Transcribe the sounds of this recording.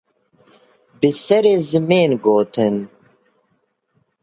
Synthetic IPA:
bisɐɾezimeːnɡoːt̪ʰen

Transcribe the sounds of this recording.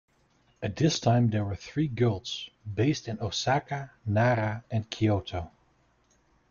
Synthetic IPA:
ɨt̚ðɪstʰãɪ̃mðə˞wə˞θɹiɡɪlˠtsbeɪstɨ̃nosakanaɾaɨ̃nkʰioʊtʰoʊ

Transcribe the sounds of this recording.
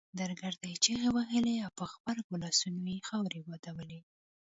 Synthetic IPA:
d̪aɾɡaɾd̪ajt͡ʃeɣewaɦəleawpəxbaɾkolɑsunojexawɾewad̪awəle

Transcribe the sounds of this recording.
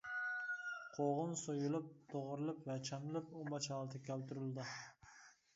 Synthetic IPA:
qʰoʁʊnsojulˠɪp̚t̪ʰoʁʊɾɨlˠɪpvɛt͡ʃʰamɪlɪpombɑt͡ʃʰɑɑlˠt̪ʰakʲʰælt̪yɾɪlˠd̪ɪ

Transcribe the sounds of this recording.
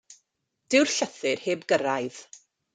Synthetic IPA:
d̥ɪwrɬəθɪrheːbɡəɾajð̥

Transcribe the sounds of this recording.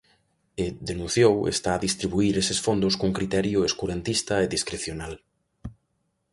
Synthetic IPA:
ɪd̪enũn̟θjowḛst̪aːðist̪ɾiβuiɾesesfond̪ʊskoŋkɾit̪ɛɾjʊeskuɾent̪ist̪ɐeðiskɾeθjonal

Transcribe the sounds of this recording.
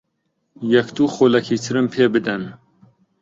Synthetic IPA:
jɛkt̪uːxoːlɛkʰiːt̪ʰɨɾɨmpʰeːbɨd̪ɛn

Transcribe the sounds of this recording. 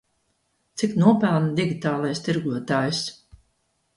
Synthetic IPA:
t̪siknuɔpælˠnd̪iɡʲit̪aːlˠajst̪iɾɡuɔt̪aːjus

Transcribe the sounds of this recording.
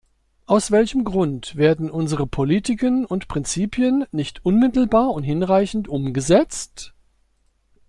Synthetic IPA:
ʔaʊsv̥ɛlçəmɡʁʊntv̥eːɐdn̩ʔʊnzəʁəpʰolitɪkənʊntpʁ̥ɪnt͡siːpʰjənːɪçtʔʊnmɪtl̩baːɐʊnthɪnʁaɪçn̩tʔʊmɡəzɛt͡st

